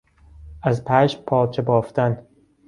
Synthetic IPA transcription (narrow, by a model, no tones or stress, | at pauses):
æzpʰæːʃpʰɒːt͡ʃʰebɒːft̪æn